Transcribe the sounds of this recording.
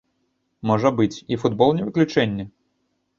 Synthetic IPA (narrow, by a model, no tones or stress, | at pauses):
mɔʐɐbɨt͡sʲifud̪bɔlˠnʲɛvɨklʲut͡ʂɛnʲːɐ